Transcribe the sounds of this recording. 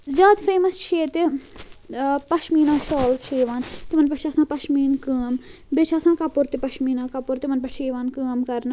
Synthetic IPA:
zjaːd̪fʰeːməst͡ʃʰeːt̪e | pɐʃmiːnãːsoːlsʃʰeːʋaːnt̪imɐnpɐt͡ʃʰɐsãːpɐʃmiːnkəːm | bɪt͡ʃʰɐsãːkɐpʊɾt̪epɐʃmiːnãːkɐpʊɾt̪emɐnpɐʈʰeːʋaːnkəːmkɐɾna

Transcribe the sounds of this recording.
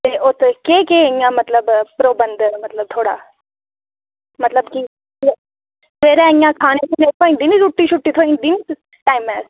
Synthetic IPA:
t̪eːʔot̪ʰkeːkeːɐĩjãːmɐt̪ləbpɾoːbənd̪mɐt̪ləb̚t̪ʰoːɽa̰ː | mɐt̪ləbki | sʋeːɾãiãkʰaːnekʰʊnet̪ʰoĩd̪ɪniɾuʈːiʃʊʈːiːt̪ʰoːĩd̪ɪn | ʈaːɪmɛːs

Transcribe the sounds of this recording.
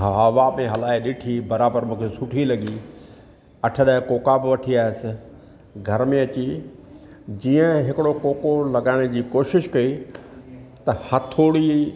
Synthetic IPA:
ɦɦɐʋamẽɦɐlaːɪɗɪʈʰibɐɾaːbəɾmũːkʰesʊʈʰilɐɡi | ɐʈʰəɗaːɪkoːkabɪʋɐʈʰiaːɪsɪ̆ | ɡʱɐɾmẽɐt͡ɕi | d͡ʑiːə̃ɦɪkɪɽokoːkolɐɡaːɪɽ̃d͡ʑiːkoːʃɪʃkɐi | t̪ɐhɐt̪ʰoːɽi

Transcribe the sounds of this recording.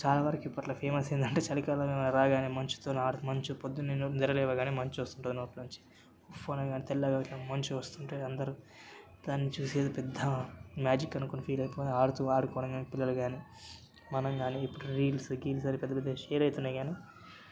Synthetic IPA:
t͡ʃaːlaːʋɐɾɐkipːɐʈlɐpʰeːmɐseːnd̪ɐɳʈeːt͡ʃɐlikaːlɐːmemɐnɐɾaːɡaːniːmɐɲt͡ʃi̥t̪onaːɽumɐɲt͡ʃupod̪ːunennd̪iɾɐlɛːʋaːɡaːniːmɐɲt͡ʃuʋɐst̪uɳʈud̪inoːpɐluɲt͡ʃi̥ | ufoːnɐjɡaːnit̪ɛlːaːɡaːʈlaːmɐɲt͡ʃuʋɐst̪uɳʈeːɐnd̪ɐɾu | d̪aːnːit͡ʃuːseːd̪upɛd̪ʱːɐmjaːd͡ʒikːɐnukonːpʰiːlɐjpoːaːɽut̪uaːɽukɔːɽɐŋɡaːnipilːɐluɡaːniː | mɐnɐŋɡaːniːpːuɽuɾiːlsɡiːlsɐɾipɛd̪ːɐpɛd̪ːɐʃeːɾɐjt̪unːaːjɡaːniː

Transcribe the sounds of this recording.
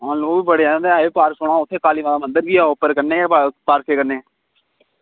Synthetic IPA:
ɦãːloːʋiːbəɽeːaːãːd̪eːɛeːpaːɾksoːɽ̃ãːʊt̪ʰːeːkaːliːʋãːd̪aːmə̃nd̪əɾbiːɛːopːəɾkəɾneːpaːɾkʰeːkəɾneː

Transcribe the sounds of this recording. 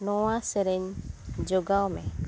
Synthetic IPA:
nɔwasɛɾɛɲd͡ʒɔɡawmɛ̰̃

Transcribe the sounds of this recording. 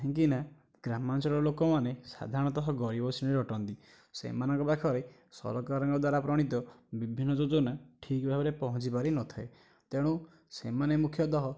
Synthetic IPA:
ɦẽkina | ɡɾamant͡ʃɔɭɔlokɔmanesa̰d̪ʱaɾɔɽ̃ɔt̪ɔɦɔɡɔɾibɔsineɾɔʈɔnt̪i | sḛmanɔŋkɔpakʰɔɾe | sɔ̰ɾɔkaɾɔŋkɔd̪waɾapɾɔɽ̃it̪ɔbibʱinːɔd͡ʒod͡ʒonaʈʰikbʱabeɾepɔɦɔt͡ʃipaɾinɔt̪ʰae | t̪eɽ̃u | semanemukʰjɔt̪ɔɦɔ

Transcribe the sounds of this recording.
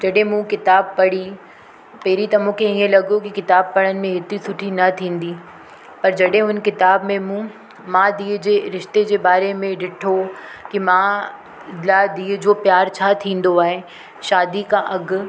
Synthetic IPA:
d͡ʑɐɗɦẽmũkɪt̪aːb̚pɐɽ̤i | peːɾit̪ɐmũːkʰẽɪɦə̃lɐɠokikɪt̪aːb̚pɐɽənɪ̆mẽɦɪt̪isʊʈʰinɐt̪ʰĩːn̆d̪iː | pɐɾd͡ʑɐɗɦẽɦʊnkɪt̪aːbmẽmũ | mãːd̪iːd͡ʑeːɾɪʃt̪ed͡ʑeːbaːɾemẽɖɪʈʰokimãː | ɪlad̪iːd͡ʑoːpjaːɾt͡ɕʰaːt̪ʰĩːn̆d̪oaːɦe | ʃaːd̪ikãʔɐɡ

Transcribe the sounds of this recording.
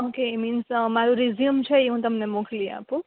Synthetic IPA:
okeiminsmaɾuɾizijəmt͡ʃʰʌjũt̪ʌmnemukʰlia̰pu

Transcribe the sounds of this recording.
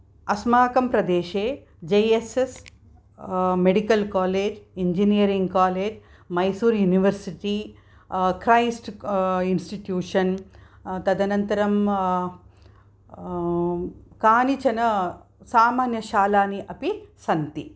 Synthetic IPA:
ɐsmaːkɐmpɾɐd̪eːʃeː | d͡ʒejeses | meɽikɐlkaːleːd͡ʒiɲd͡ʒinijɐɾiŋɡkaːleːd͡ʒ | mɐjsuːɾjuniʋɐɾsiʈi | kɾɐjsʈinsʈiʈjuːʂɐn | t̪ɐd̪ɐnɐnt̪ɐɾɐm | kaːnit͡ʃɐnɐ | saːmaːnjɐʃaːlaːniʔɐpisɐnt̪i

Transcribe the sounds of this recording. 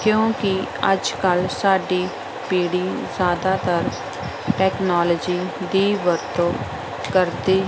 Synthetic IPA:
kjõːkiə̰d͡ʒkəlsaːɖiː | piːɽiːzjaːd̪aːt̪əɾ | ʈɛːknaːləd͡ʒiːd̪iːʋəɾt̪oː | kəɾd̪iː

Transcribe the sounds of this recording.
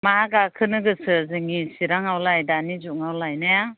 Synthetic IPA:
maɡakʰɯnɯɡɯsɯzɯŋisiɾaŋawlajdanizuʔŋawlajnaja

